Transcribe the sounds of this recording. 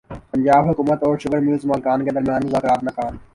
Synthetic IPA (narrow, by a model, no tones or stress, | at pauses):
pɐnd͡ʒaːbɦʊkuːmət̪ɔːɾʃʊkəɾmizmaːlkaːnked̪əɾmjaːnmʊzaːkɪɾaːt̪nɐkaːn